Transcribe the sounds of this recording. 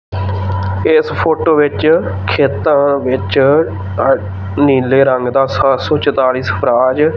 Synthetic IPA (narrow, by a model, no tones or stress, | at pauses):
ɪspʰoːʈoːʋɪt͡ʃkʰeːt̪ãːʋɪt͡ʃ | niːleːɾəŋɡd̪aːsasɔ̃ːt͡ʃət̪aːliːspʰɾaːd͡ʒ